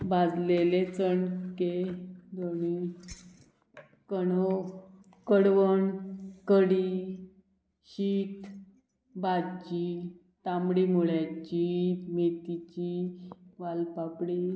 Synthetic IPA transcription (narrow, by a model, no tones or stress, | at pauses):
bad͡zlelet͡səɳked̪oɳ̃i | kəno | kəɽʋəɳkəɽi | ɕiːt̪ | bad͡ʑi | t̪amɽimuɭjat͡ɕimet̪it͡ɕiʋalpapɽi